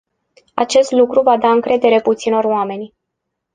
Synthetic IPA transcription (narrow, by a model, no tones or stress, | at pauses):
a̰t͡ʃe̞st̪lukɾuvad̪aɨŋkɾe̞d̪e̞ɾe̞put̪sino̞rowame̞nʲ